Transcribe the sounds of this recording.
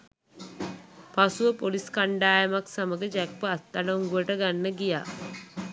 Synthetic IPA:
pasuʋəpoliskaɳɖaːjəmaksaməɡəd͡ʒæk̚pəat̪ːaloŋɡuʋəʈəɡanːəɡija̰ː

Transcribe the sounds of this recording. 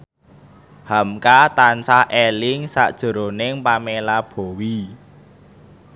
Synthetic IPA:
hamkat̪ansahʔelɪŋsa̰ʔd̥ʒ̥ə̤ɾonɪŋpamelab̥o̤wi

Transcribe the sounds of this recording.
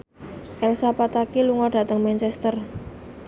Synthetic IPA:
ʔɛlsapat̪akiluŋɔɖ̥ä̤t̪əŋmɛnt͡ʃɛst̪ər

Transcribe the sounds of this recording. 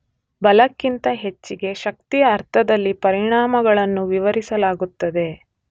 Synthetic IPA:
bɐlɐkːint̪ɐɦe̞t͡ʃːiɡe̞ʃɐk̚t̪ijɐːɾt̪ʰɐd̪ɐlːipɐɾiɳaːmɐɡɐɭɐnːuʋiʋɐɾisɐlaːɡut̪ːɐd̪e̞

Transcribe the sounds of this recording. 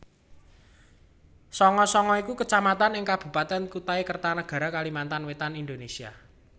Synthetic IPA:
sɔŋɔsɔŋɔikukət͡ʃamat̪anɪŋkab̥ṳpat̪ɛnkut̪aekərt̪anəɡ̥ä̤ɾakalimant̪anwet̪anind̪onesia̰

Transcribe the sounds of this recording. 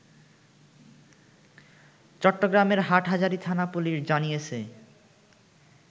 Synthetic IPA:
t͡ɕɔʈːoɡɾameɾɦaʈɦad͡ʑaɾit̪ʰanapuliɾd͡ʑanijet͡ɕʰe

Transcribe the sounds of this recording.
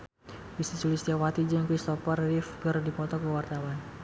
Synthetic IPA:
bisit͡ʃulɪst̪iawat̪id͡ʒənkɾist̪ɔfərːifɡərdipɔt̪ɔkəwart̪awan

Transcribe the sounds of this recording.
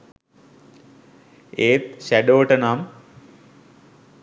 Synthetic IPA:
eːt̪ɕæɖoʋəʈənam

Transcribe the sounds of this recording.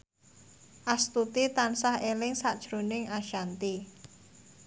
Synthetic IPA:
ʔast̪ut̪it̪ansahelɪŋsad̥ʒ̥ɾunɪŋaʃant̪i

